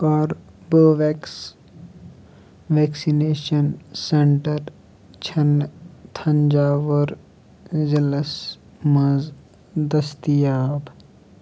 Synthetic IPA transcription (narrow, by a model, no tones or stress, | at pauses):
ɔːɾ | boːʋeːks | ʋeːksineːʃənsẽɳʈəɾ | t͡ʃʰɐnt̪ʰɐ̃ɲd͡ʒaːʋəɾ | ziləs | mɐz | d̪ɐst̪ijaːb